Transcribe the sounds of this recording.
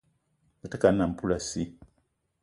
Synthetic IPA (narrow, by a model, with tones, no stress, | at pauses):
ɡa˨ta˦ka˨n˦na˨m̩˨pu˦la˨si˦